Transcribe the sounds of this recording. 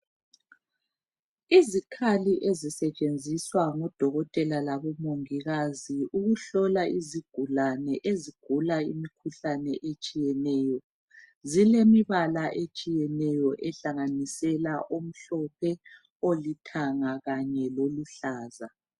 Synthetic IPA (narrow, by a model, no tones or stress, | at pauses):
izikʰaliʔezisɛt͡ʃʼend͡zʱiswaŋɔd̥ʱɔɣɔtʼɛlalaβɔmoŋiɣaziuɣuɬɔlaiziɡ̥ʱulanɛʔeziɡ̥ʱulaḭmikʰuɬanɛʔet͡ʃʼijɛnɛːjɔ | zilemiβalaʔet͡ʃʼijɛnɛjɔʔɛɬaŋanisɛlaʔom̩ɬɔpʰɛ | olitʰaŋaɣaɲɛloluɬaːza